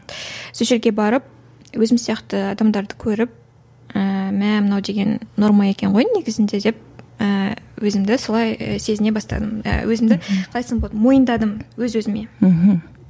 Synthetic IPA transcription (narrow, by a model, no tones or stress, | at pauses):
sɵʃɪɾɡʲe̞bɑɾəp̚ | wɵzɪmsijɑqt̪əɑd̪ɑmd̪ɑɾd̪əkʲʰɵɾɪp̚ | əmæmənɑwd̪e̞ɡʲe̞nːo̞ɾmɑe̞kʲe̞ɴʁo̞jnne̞ɡʲɪzɪnd̪e̞d̪e̞p̚əwɵzɪmd̪ɪso̞lˠɑjə̰se̞zɪne̞bɑst̪ɑ̰d̪əmə̰wɵzɪmd̪ɪqʰɑlˠɑjsəɴbolˠmo̞jənd̪ɑd̪əmwɵzwɵzɪme̞ɦ̩